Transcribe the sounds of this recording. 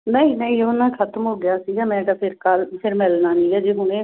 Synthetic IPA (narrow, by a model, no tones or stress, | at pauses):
nə̃iːnəĩʊnːãːkʰət̪əmɦoːɡɪjaːsiːɡaːmɛ̃ːʈ̪aːpʰɪɾkəlpʰɪɾmɛlnaːnĩːɡɛːd͡ʒeːɦʊñẽː